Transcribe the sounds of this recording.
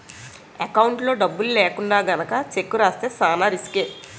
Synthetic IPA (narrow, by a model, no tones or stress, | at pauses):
ɐkɐwuɳʈlo̞ːɖɐbːululeːkuɳɖaːɡɐnɐkɐt͡ʃekːuɾaːst̪e̞ːsaːnaːɾiskeː